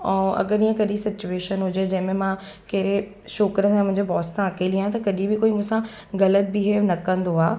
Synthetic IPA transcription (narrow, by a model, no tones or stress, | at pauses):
ɛ̃ːʔɐ̰ɡəɾĩːə̃kɐɗisɪt͡ɕueːʃənɦʊd͡ʑed͡ʑɐ̃ɦɪ̃mẽmã | keːɾe | ʃoːkɾəsãmʊ̃ɦɪ̃ɲd͡ʑebɔːssãɐkʰeliãt̪ɐkɐɗibɪkoːimũːsã | ɣɐlət̪̚bɪɦeːʋnɐkɐ̃nd̪oaː